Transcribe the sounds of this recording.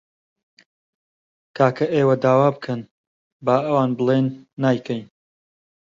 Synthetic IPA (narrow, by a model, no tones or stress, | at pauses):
kʰaːkʰɐʔeːwɐd̪aːwaːbkʰɐn | baːʔɐwaːnbɨlˠenːaːjkʰɐjn